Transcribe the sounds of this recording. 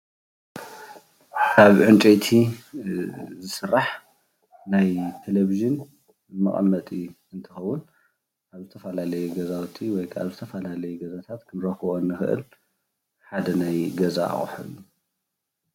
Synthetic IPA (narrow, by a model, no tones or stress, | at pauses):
kʰaβʕɨnt͡ʃʼejt̪ʰi | zɨsɨrːaħ | najt̪ʰeleviʒɨn | ɨmɐ̰χʼmːɐt̪ʼi | ɨnt̪ʰɨxɐwːʊn | kaβzɨt̪ʰɐfɐlalɐjɛɡɐzawt̪ʰiwɔjkʰa̰βzɨt̪ʰɐfɐlalɐjɛɡɐzat̪ʰat̪kʰɨnɾɐxɨβonːɨxɨʔɨ̰l | ħad̪ɐnajɡɐza̰χʼħɨ̰lːu